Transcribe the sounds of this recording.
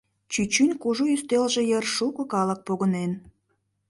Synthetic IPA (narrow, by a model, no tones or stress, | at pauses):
t͡ɕyt͡ɕynʲkuʒuyst̪elʒe̽jərʃukə̆kɑlək̚poɣənen